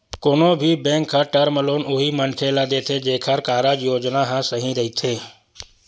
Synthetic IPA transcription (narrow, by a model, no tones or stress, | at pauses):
koːnobʱibɛ̃ːŋkʰːaʈəɾməloːnʊɦimənkʰeːlad̪eːt̪ʰed͡ʒeːkʰəɾkaːɾad͡ʒjoːd͡ʒnaɦãsɐɦĩɾɐɦit̪ʰeː